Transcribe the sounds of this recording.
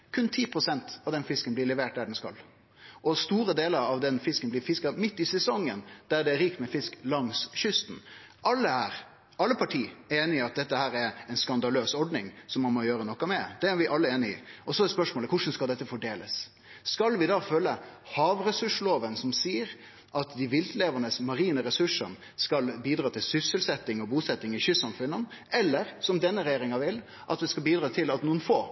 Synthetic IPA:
kʰʉnt̪ʰiːpʰɾʊsɛnt̪ɑʋd̪ɛnfɪskənblɪɾɭɛʋeːʈ̚d̪æɖɛnskɑ̰l | ʔɔst̪uːɾəd̪eːləɾɑʋd̪ɛnfɪskənblɪɾfɪskɑmɪt̪ːɪsɛsɔŋːə̰nd̪̥æɖ̪ɛæɾiːk̚t̪mɛfɪsklɑŋsɕʏst̪n̩ | ʔɑlːəæːɾ | ɑlːəpʰɑʈʰiːeːnɪɪɑt̪̚d̪ɛt̪ːəhæːɾæɾɛɪnskɑnd̪ɑløːsɔɾɖnɪŋsɔmːɑnmɔjøːɾənɔkːɑmɛd̪̥ɛæɾʋɪʔɑlːəeːnɪɪ̰ɔsɔd̪ɛspœʂmoːləkʰʊʂn̩skɑld̪ɛt̪ːəfɔɖeːləsː | kɑlʋɪd̪ɑfølːəhɑːʋɾɛsʉʂloːʋənsɔmsiːəɾ | ʔɑt̪d̪ɪʋɪlt̪leːʋənəsmɑɾiːnəɾɛsʉʂən | skɑlbiːd̪ɾɑːt̪ʰɪlsʏsəlsɛt̪ːɪŋɔbuːsɛt̪ːɪŋɪçʏsːɑmfʉnːən | ɛlːəɾsɔmd̪ɛnːəɾɛjeːɾɪŋɑʋɪlː | ʔɑt̪ʋɪskɑlbiːd̪ɾɑːt̪ʰɪlɑt̪nuːənfoː

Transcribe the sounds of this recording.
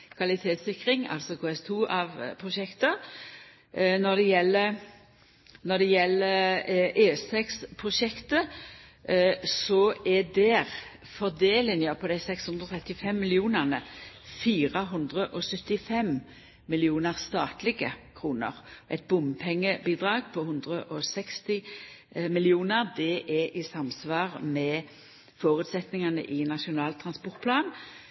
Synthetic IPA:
kʰʋɑlɪt̪ʰeːt̪sɪkʁɪŋɑ̰lsɔkʰoːɛst̪ʰuːʔɑʋpʰʁʊʃɛkt̪ə | nɔd̪ɛjɛlːə | nɔd̪ɛjɛlːəɾʔeːst̪ʰɛkspʰʁʊʃɛkt̪ə | sɔɛd̪ɛːʁ | fɔʁd̪eːlənjøpʰɔd̪æɪsɛkshʉnd̪ʁɔt̪ʰʁɛt̪ːɪfɛmːɪlɪuːnəʁnə | fiːʁəɦʉnd̪ʁəʔɔsœt̪ːɪfɛm | mɪlɪuːnəʁst̪ɑːt̪lɪɡəkʰʁuːnə̰ʁʔɛ̰t̪̚bʊmpʰɛŋːəbiːd̪ʁɑːɡ̚pʰɔhʉnd̪ʁəʔɔsɛkst̪ɪ | mɪlɪuːnəʁd̪ɛʔɛʔɪsɑmsʋɑːʁmɛ | foːʁʉːt̪sɛt̪nɪŋɑnə̰ʔɪnɑʃʊnɑːlt̪ʰʁɑnspɔʁt̪̚pʰlɑːn

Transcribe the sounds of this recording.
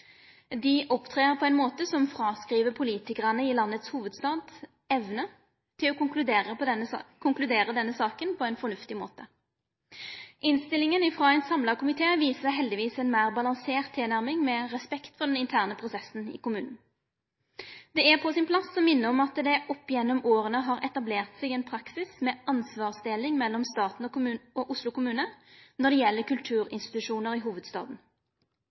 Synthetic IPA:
d̪ɪʔɔpt̪ʰʁeːʁpʰɔɛɪnmoːt̪əsɔmfʁɑːskɾiːʋəpʰʊliːt̪ɪkəʁɑnəɪlɑnːət̪shuːʋəd̪st̪ɑːd̪ | ɛʋnə | t̪ʰɪlɔʊklʉd̪eːəkʰʊŋklʉd̪eːɾəd̪ɛnːəsɑːkənpʰɔɛɪnfɔnʉft̪ɪmo̰ːt̪ə | ʔɪnst̪ɪlɪŋənɪfʁoːɛɪnsɑmlɑkʊmɪt̪ʰeːʋiːsəɦɛld̪ɪʋiːsɛnmæɪʁbɑlɑŋseːʁt̪ʰːɪlnæʁmɪŋmɛʁɛspɛkt̪fɔʁɖ̪ɛnɪnt̪ʰæːʁnəpʰʁʊsɛsn̩ɪ̰kʊmʉːnn̩ | d̪ɛæpʰɔsɪnpʰlɑsːɔmːɪnːəɔmɑt̪d̪ɛʔɔpːɪjɛnːɔmʔoːʁənəɦɑːɾʔɛt̪ɑbleːʁt̪sɛɡɛːnpʰɾɑksɪsmɛːʔɑnsʋɑːʁsd̪elɪŋmɛlːɔmst̪ɑːt̪n̩ɔʉoʔʊslʊkʊmʉːnənɔʁd̪ɛjɛlːəkʉlt̪ʰʉːʁɪ̰nst̪ɪ̥t̪ʉʂuːnəʁiːɦuːʋəd̪st̪ɑ̰ːd̪n̩

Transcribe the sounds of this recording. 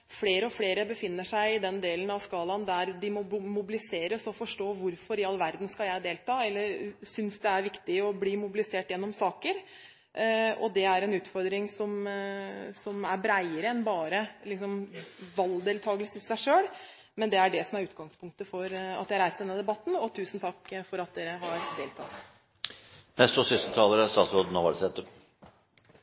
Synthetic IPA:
fleːɾəɔfleːɾəbəfɪnːəʂæɪɪd̪ɛnd̪eːlənɑʋskɑːlɑnd̪æɾd̪ɪmʊmʊbɪlɪseːɾəsɔfɔʂʈoːʋʊɾfɔɾɪɑlʋæɾd̪n̩skɑljæɪd̪eːlt̪ʰɑːɛlːəɾsʏnsd̪ɛæɾʋɪkt̪ɪɔbliːmʊbɪlɪseːʈjɛnːɔmsɑːkəɾ | ɔ̰d̪ɛæɾɛnʉːt̪fɔɾd̪ɾɪŋsɔm | sɔmæɾbɾæɪəɾəɛnbɑːɾəlɪksɔmʋɑld̪eːlt̪ʰɑːɡələsɪsæɪʂøːɽ | mɛnd̪ɛæɖɛsɔmæɾʉːt̪̚ɡɑŋspʰʊŋk̚t̪əfɔɾɑ̰t̪djæɪhɑɾæɪst̪̚d̪ɛnːəd̪ɛbɑt̪ːn̩ɔt̪ʰʉːsn̩t̪ʰɑkːfɔɾɑt̪̚d̪eːɾəɦɑɾd̪eːlt̪ʰɑt̪ː | mɛst̪ɔsʏst̪ət̪ʰɑːləɾæst̪ɑːt̪sɾoːd̪n̩ɔʋɑ̰lsɛt̪ə

